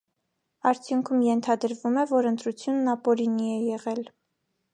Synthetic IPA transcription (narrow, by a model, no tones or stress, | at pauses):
ɑɾt͡sʰjuŋkʰumjɛnt̪ʰɑd̪əɾvumɛvɔɾənt̪ɾut͡sʰjunːɑpɔɾiniɛjɛʁɛl